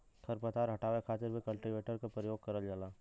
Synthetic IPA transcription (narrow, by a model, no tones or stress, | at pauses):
t̪ʰəɾpət̪aːɾɦɐʈaːʋekʰaːt̪ɪɾbʱikɐlʈiʋeːʈəɾkapɾəjoːɡ̚kɐɾəld͡ʒaːlaː